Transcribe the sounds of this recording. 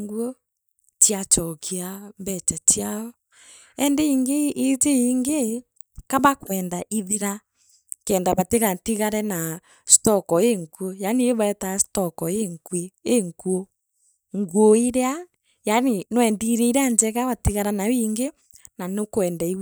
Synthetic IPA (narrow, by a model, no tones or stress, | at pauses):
ŋɡuo | t͡ʃiat͡ʃɔkiambɛt͡ʃat͡ʃiaɔ | ɛndɛiŋɡeʔːteiŋɡe | kaβakwɛndaʔiðiɾa | kɛːndaβateɣatiɣaɾɛna | stɔkɔeŋkuojanieβaɛtastɔkɔeŋkweːŋkuo | ŋɡwoiɾea | janenwɛndiɾɛiɾeaɲd͡ʒɛɣaβatiɣaɾanawiːŋɡe | nanokwɛndai